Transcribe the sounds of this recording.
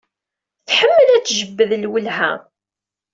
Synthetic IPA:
θħəmːəlæt͡sːʒəbːəðəlwəlɦæ̰

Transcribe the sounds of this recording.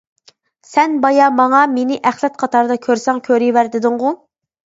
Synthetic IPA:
sɛnbɑjɑmɑŋɑmenɪʔæχlˠɛt̪̚qʰɑt̪ʰɑɾd̪ɑkʲʰøɾsɛŋkʲʰøɾiwæɾd̪ɪd̪ɨŋʁʊ

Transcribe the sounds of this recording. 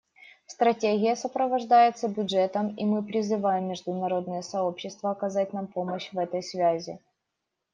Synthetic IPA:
st̪ɾɐtʲeɣʲɪjəsəpɾəvɐʐd̪ajɪt̪səbʲʊdʐɛt̪əmimɨpɾʲɪzɨvajɪmːʲɪʐd̪ʊnɐɾo̞d̪̚nɨjəsɐo̞pɕːɪst̪vəɐkɐzatʲnampo̞məɕvɛt̪əjsvʲæzʲɪ̰

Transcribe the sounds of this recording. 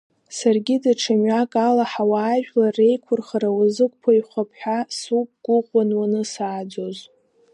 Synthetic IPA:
sarɡʲɪdaʈ͡ʂʰamɥakʼalaħawaːʒᶣlare̞jkʷʰʊrχaɾawazɨk̚ʷʼpʰajχʷapʰħʷᶣasup̚ʼɡ̥ʷʊqʷʼanwanɨsaːd͡ʒoz

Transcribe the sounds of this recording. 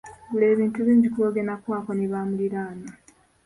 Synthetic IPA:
bule̞ːβiːntuβiːɲɟikuoɡenakwaːkoniβaːmuliɾaːno

